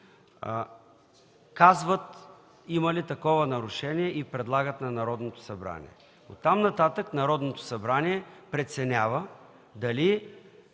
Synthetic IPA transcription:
kazvət̪ | imɐlit̪ɐkɔvənɐɾʊʃɛniɛʔipɾɛd̪lˠaɡət̪nɐnɐɾɔd̪not̪o̥sɐbɾa̰nḭɛ̰ | o̰t̪ːamnɐt̪at̪əknɐɾɔd̪not̪o̥sɐbɾaniɛpɾɛt̪sɛnʲavə | d̪ɐli

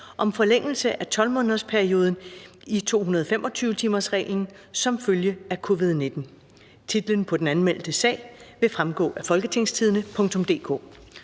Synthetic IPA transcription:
ʔɒ̽mfɒ̽leŋ̰l̩səʔæt͡sʰɒ̽lmɔ̽ːnðˠspʰæɐio̝ːð̞ˠn̩it͡sʰo̝̰ːɦunɐðˠɒfemʔɒ̽t͡sʰyːʊt͡sʰiːmɐsʁɛ̰ːle̝ŋ | sɒ̽mføljəækʰo̝ʋið̞ˠne̝d̥n̩ | t͡sʰid̥lən̩pʰɒ̽d̥en̩ænmel̰d̥əsɛ̰ɪʋe̝fʁamɡ̥ɔ̰ːʔæfɒ̽lɡ̥ət͡sʰe̝ŋ̰st͡sʰiðˠənəpʰɔ̽ŋt͡sʰɔ̽md̥e̝̰ːkʰo̰ː

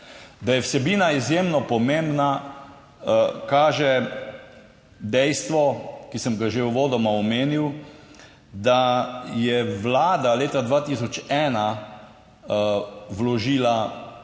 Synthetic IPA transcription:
d̪ajɛwsɛbiːnaizjeːmnɔpɔmẽmbna | kaːʒɛ | d̪ɛjst̪ʋɔkisəmɡaʒeuʋoːd̪ɔmaɔmeːniw | d̪ajɛʋlaːd̪aleːt̪ad̪ʋaːt̪iːsɔt͡ʃɛːna | wlɔʒiːla

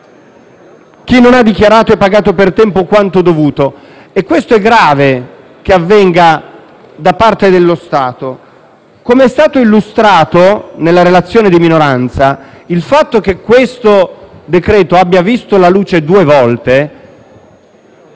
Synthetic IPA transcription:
k̟inːonad̪ːik̟jaɾaːt̪oɛpːaɡaːt̪opert̪ɛmpokwant̪od̪ovuːt̪o | ekːwest̪oɛɡɾaːve | keavːɛŋɡa | d̪apart̪ed̪elːost̪aːt̪o | komeɛst̪aːt̪oilːust̪ɾaːt̪onelːaɾelat̪sːjoːned̪iminoɾant̪sailfat̪ːok̟ekːwest̪od̪ekɾɛːt̪oabːjavist̪olaluːt͡ʃed̪uːevɔlt̪e

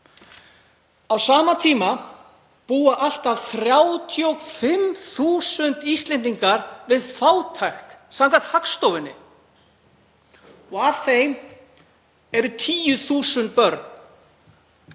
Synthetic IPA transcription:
awsaːmat̪ʰiːma | puːaʔal̥t̪avθɾjaːwt̪ʰjowfɪmθuːsʏnt̪ist̪lɛnt̪iŋkaɾvɪðfaːwt̪ʰajxt̪samkʰat̪hakst̪owvɪnːɪ̰ | ɔɣav̥θejm | ɛɾʏt̪ʰiːjʏθuːsʏnt̪̚pœɾt̪n

